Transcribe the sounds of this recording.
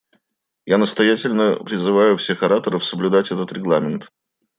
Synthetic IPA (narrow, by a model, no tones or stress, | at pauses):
janəst̪ɐjætʲɪlʲnəpɾʲɪzɨvajʊfsʲe̞xɐɾat̪əɾəfsəblʲʉd̪atʲɛt̪ət̪ɾʲɪɡlˠamʲɪnt̪